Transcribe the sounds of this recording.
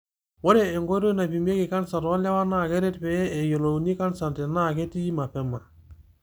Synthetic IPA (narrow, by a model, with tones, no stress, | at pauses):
wɔ˦ɾɛ˨ɛ˨ŋɡo˦ɾo˦na˨pi˨me˦ki˨ka˦nsa˨twa˦la˦wa˦na˦˨kɛ˦ɾɛ˦tpɛ˦ɛ˨jo˨lo˨ni˦ka˦nsa˨ntɛ˨na˦˨ke˦ti˦i˦ma˨pɛ˨ma˨